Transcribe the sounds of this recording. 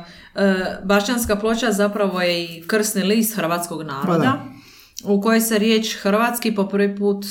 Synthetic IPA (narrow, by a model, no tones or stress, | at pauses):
əbaʃt͡ʃanskaplˠot͡ʃazapɾaʋo̞jeikr̩snilist̪xr̩ʋaːt̪sko̞ɡnaːɾo̞dd̪a | uko̞jeseɾje̞ːt͡ʃxr̩ʋat̪skipo̞pr̩ʋipuːt̪